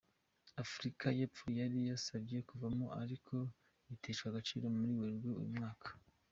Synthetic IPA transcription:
afɾikaje̞ːpp͡fojaɾijasabje̞kuvamoʔaɾikʰo̞ | itʰeʃkwaɡat͡ʃḭːɾo̞muɾiweɾɡeṵjumŋaːkʰḁ

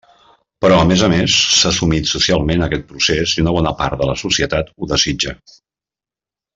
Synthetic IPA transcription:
pəɾɔəmezəmesːasumit̪susialˠmenəkɛt̪̚pɾuseziunəβ̞ɔnəpa̰ɾt̪̚d̪ələsusiət̪at̪uðəzid͡ʒə

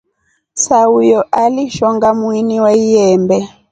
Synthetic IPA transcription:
saujɔʔaliʃɔŋɡamwiniwaijɛmbɛ

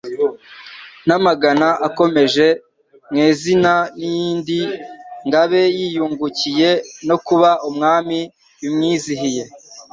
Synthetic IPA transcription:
namaɡanaʔako̞me̞ʒe̞ | mŋeːzinanijiːndiŋɡaβe̞jiːjuːŋɡucije̞no̞kuβaʔumŋaːmi | jumŋiːziɦije̞

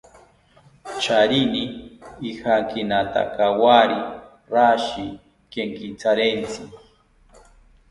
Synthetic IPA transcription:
t͡ʃaɾiniː | haŋkinat̪a̰kawaɾi | ɾaʃi | keŋkit͡saɾent͡sʰi

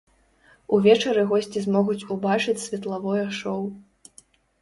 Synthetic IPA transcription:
uvʲɛt͡ʂɐɾɨɣɔsʲt͡sʲizmɔɣut͡sʲubat͡ʂɨt͡sʲsʲvʲɛt̪lˠavɔjɐʂɔw

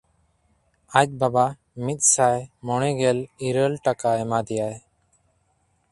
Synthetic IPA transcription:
ac̚ˀbaba | mit̪̚sajmɔɽ̃ɛɡɛliɾəlʈakaɛmad̪ɛjaj

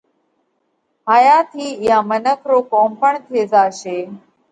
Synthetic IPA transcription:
ɦaːjat̪ʰiːjãmənəkʰɾokɔːmpəɳt̪ʰeːd͡zaːʃeː

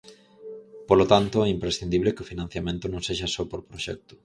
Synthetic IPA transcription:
polot̪ant̪ʊɛimpɾesθind̪iβlekeofinãn̟θjamẽnt̪ʊnõŋseʃasɔpoɾpɾoʃɛ̰k̚t̪ʊ̥

